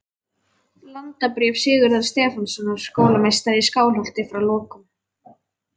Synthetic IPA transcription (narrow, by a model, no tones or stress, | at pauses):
lant̪apɾɪːfsɪːɣʏɾðað̥st̪ɛːfansɔnːaɾ̥skoːwlamejst̪aɾiskaːwlɔwl̥t̪ɪfɾawlɔːkʏm